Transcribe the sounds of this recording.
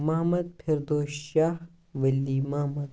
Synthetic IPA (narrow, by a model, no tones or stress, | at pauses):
mɐɦmɐd̪̚pʰiɾd̪oːʃaːh | ʋɐlːiːmɐɦmɐd̪